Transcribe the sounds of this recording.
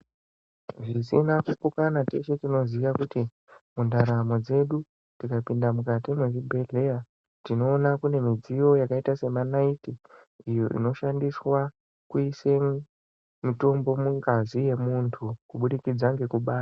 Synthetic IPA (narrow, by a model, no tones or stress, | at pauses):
ʐisinakukukanateʃe̞tino̞ziʋakuti | mundaɾamo̞d͡ze̞ɗu | tikapindamukatimweʐibʱe̞ɮeja | tino̞ːnakune̞mid͡zijo̞jakaitase̞manaiti | ijo̞̰ʔḭno̞ʃandiswa | kuise̞ | mito̞mbo̞muŋɡazije̞muntʰukuɓuɗikid͡zaŋɡe̞kuɓaːta